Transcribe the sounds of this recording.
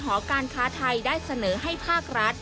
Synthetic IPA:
ɦɔː˩˦kaː˧nkʰaː˦˥t̪ʰa˧jdaː˥˩jsa˧nɤː˩˦ɦa˥˩jpʰaː˥˩k̚ɾa˦˥t̪̚

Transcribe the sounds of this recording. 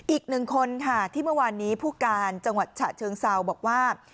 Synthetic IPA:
ʔiː˨˩k̚nɯ˨˩ŋkʰo˧nkʰa˥˩t̪ʰiː˥˩mɯ˥˩waː˧nːiː˦˥pʰuː˥˩kaː˧nt͡ɕa˧ŋwa˨˩t̪̚t͡ɕʰa̰ː˨˩t͡ɕʰɤː˧ŋsa˧wbɔː˨˩k̚waː˥˩

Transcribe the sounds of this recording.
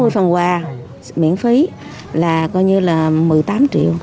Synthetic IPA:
mɨ˧əjfə˨˩nkwaː˨˩ | mḭ˧˥ənfi˨˦ | laː˨˩kɔ˨˧jɲɨ˧laː˨˩mɨ˨˩əjt̪aː˨˦mt͡ɕḭ˧˨əw

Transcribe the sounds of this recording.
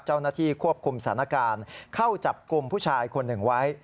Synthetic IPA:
t͡ɕa˥˩wnaː˥˩t̪ʰiː˥˩kʰu˥˩əp̚kʰu˧msa˨˩˦na˧˥˩kaː˧nkʰa˥˩wt͡ɕa˨˩p̚ku˧mpʰuː˥˩t͡ɕʰaː˧jkʰo˧nːɯ˨˩ŋwa˦˥j

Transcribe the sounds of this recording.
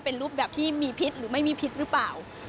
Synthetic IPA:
pe˧nɾuː˥˩p̚bɛː˨˩p̚t̪ʰiː˥˩miː˧pʰi˦˥t̪̚ɾɯː˩˦ma˥˩jmiː˧pʰi˦˥t̪̚ɾɯ˦˥plaː˨˩w

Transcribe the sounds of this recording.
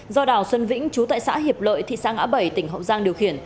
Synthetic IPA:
zɔ˧ɗaː˨˩wswə˧nvḭ̈˧˥ŋ̟t͡ɕu˨˦t̪a̰ː˧˨jsa̰ː˧˥ɦi˨˩əp̚lə̰ː˧˨jt̪ʰḭ˧˨saː˧ŋʔa̰ː˧˥ɓə˧˩jt̪ï˧˩ŋ̟ɦə̰˧˨wzaː˧ŋɗi˨˩əwxi˧˩ən

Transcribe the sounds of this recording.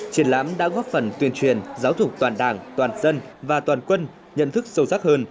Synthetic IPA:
t͡ɕi˨˩ənla̰ː˧˥mɗa̰ː˧˥ɣɔ˦˥p̚fə˨˩nt̪wi˧ənt͡ɕwi˨˩ənzaː˨˦wzʊ˨˩k͡p̚t̪waː˨˩nɗaː˨˩ŋt̪waː˨˩nzə˧nvaː˨˩t̪waː˨˩nkwə˧n | ɲə̰˧˨nt̪ʰɨ˦˥k̚zə˧wzaː˦˥k̚həː˧n

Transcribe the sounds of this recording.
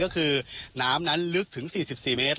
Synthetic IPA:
kɔː˥˩kʰɯː˧naː˦˥mna˦˥nlɯ˦˥k̚t̪ʰɯ˩˦ŋsiː˨˩si˨˩p̚siː˨˩meː˦˥t̪̚

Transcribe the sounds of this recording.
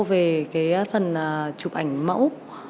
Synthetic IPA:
ve˨˩kaː˨˦jfə˨˩nəː˨˩t͡ɕu˨˩p̚ʔa˧˩jŋ̟mə̰˧˥w

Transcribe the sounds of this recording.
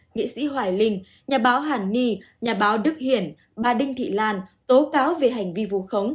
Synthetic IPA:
ŋḭ˧˨sḭ˧˥ɦwaː˨˩jlï˧ŋ̟ | ɲaː˨˩ɓaː˨˦wɦaː˨˩nːi˧ | ɲaː˨˩ɓaː˨˦wɗɨ˦˥k̚hi˧˩ən | ɓaː˧˩ɗï˧ŋt̪ʰḭ˧˨laː˧nt̪o˨˦kaː˨˦wve˨˩ɦa˨˩jŋ̟vi˧vṵ˧˨xə˨˦wŋ͡m

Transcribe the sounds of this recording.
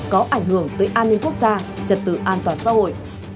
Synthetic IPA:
kɔ˨˦ʔa˧˩jŋ̟hɨ˧˩əŋt̪əː˨˦jʔaː˧nːi˧ŋ̟ku˦˥ək̚zaː˧t͡ɕə˨˩t̚t̪ɨ̰˧˨ʔaː˧nt̪waː˨˩nsa̰ː˧˥ɦo̰˧˨jʔ

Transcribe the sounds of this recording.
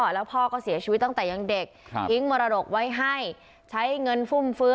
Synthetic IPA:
ɔː˨˩lɛː˦˥wpʰɔː˥˩kɔː˥˩si˨˩˦t͡ɕʰi˧˦t̪ːa˥˩ŋt̪ːja˧ŋde˨˩k̚i˦˥ŋmɔː˧ɾa˧do˨˩k̚wa˦˥jɦa˥˩j | t͡ɕʰa˦˥jŋɤ˧nfʰu˥˩mfɯː˦˥

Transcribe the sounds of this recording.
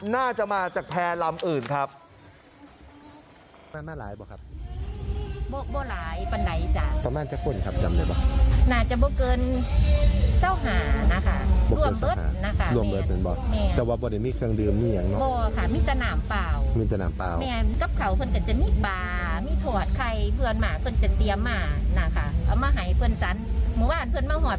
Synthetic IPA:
naː˥˩t͡ɕa˨˩maː˧t͡ɕaː˨˩k̚pʰɛː˧la˧mʔɯː˨˩nkʰa˦˥p̚ | maː˧˩maː˧˥˩laː˨˦jbɔː˧˩kʰa˦˥p̚ | bɔː˧bɔː˧laː˨˦jpa˨˧nda˨˦jʔt͡ɕa˨˩t̪ɔː˧˦ma˧˥˩nt͡ɕa˧kʰu˧˩˨nkʰa˦˥p̚t͡ɕa˨˧˨mda˨˧˩bɔ̰˧˩naː˧˩t͡ɕa˨˩bɔː˧kɤː˧n | sa˧˩˨wɦaː˩˦na˧˥kʰa˧˥˩bɔː˧lu˧˩ə˨mbɤ˧˥˨a̰ː˨˦na˧kʰa˧lu˧˨mbɤ˧˨e˧nbɔː˧˦mɛː˧˩ɛː˧waː˧bɔː˧da˧˩jmiː˧˨kʰɯ˧əŋdɯː˧˩mmiː˧˨jaː˨˧˨ŋnɔ˧˦bɔː˧kʰa˧˩miː˧˥˨ta˧naː˨˦mpaː˧˩wmiː˧˩t̪a˧naː˨˦mpa̰ː˧˨wmɛː˧˩nka˧˦p̚kʰa˨˩wpʰɤ˧˨nka˧˩t͡ɕa˧˦miː˧˥˨paː˨˩ | miː˧˥˨t̪ʰoː˧˩ət̪̚kʰa˧˩jpʰɯ˧ənmaː˧˩pʰɤ˧˥˨nt͡ɕa˨˧˩t̪i˧əmːaː˧˩na˧˩kʰa˧˩ʔa˨˧˩wmaː˧ɦa˨˦jpʰɯ˧ə˨nsa˧˦nmuː˧˦baː˧˥˨npʰɤ˧˨nmaː˧hɔː˨˩

